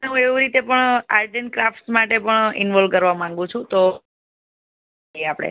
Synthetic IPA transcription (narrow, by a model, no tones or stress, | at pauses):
eɦũeʋuɾit̪epəɳaɾʈenkɾafʈsmaʈepəɳɪ̰nʋɔlʋkəɾʋamãŋɡũt͡ʃʰũt̪o | iapɽ̃ḛ